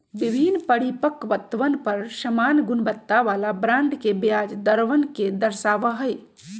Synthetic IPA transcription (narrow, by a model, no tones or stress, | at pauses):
bibʱinpəɽipəkʋət̪ʋənpəɾsəmanɡunbət̪ːaʋalabɾãɳɖkebjad͡ʒd̪əɾʋənked̪əɾsaʋəɦəj